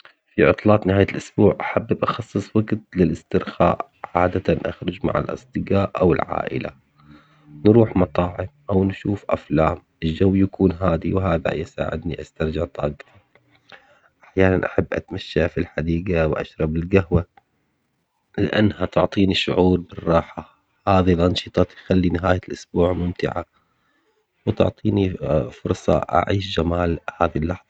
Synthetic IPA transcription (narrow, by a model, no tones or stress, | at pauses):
fiʕʊt̪ˤlɑːt̪ˤnɪhaːjalʔʊsbuːʕʔaħabːɪbʔɑxɑsˤːɨsˤwaɡt̪̚lɪlɪst̪ɪɾxa̰ːʔ | ʕaːd̪at̪anʔa̰xɾˤʊd͡ʒma̰ʕa̰lʔɑ̰sˤd̪ˤɨɡaːʔʔawɪlʕa̰ːʔɪ̰la̰ | nɾuːħmɑt̪ˤɑːʕɪmʔawnʃuːfʔa̰flaːmʔɪld͡ʒawːjakuːnɦaːd̪iwɦaːða̰jɪsa̰ːʕɪ̰d̪niʔast̪ɑɾˤd͡ʒɪʕt̪ˤɑ̰ːɡt̪i | ʔaħjaːnanʔaħabːʔa̰t̪maʃːafilħad̪iːɡawʔa̰ʃɾˤɑbɪlɡahwa | lɪ̰ʔa̰nːhat̪ʊʕt̪ˤiːniʃʊ̰ʕuːɾbɪrˤːɑːħa | haːðilʔɑnʃɨt̪ˤɑt̪jxalːinɪɦaːjalʔʊsbuːʕmʊmt̪ɪʕa̰ | wt̪ʊ̰ʕt̪ˤiːnifʊɾsˤɑ̰ʔa̰ʕiːʃd͡ʒamaːlhaːðilːɑħðˤɑ